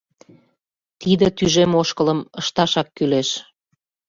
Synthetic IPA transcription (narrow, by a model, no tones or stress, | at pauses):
t̪id̪ə̆t̪yʒemoʃkələməʃt̪ɑʃɑkːyleʃ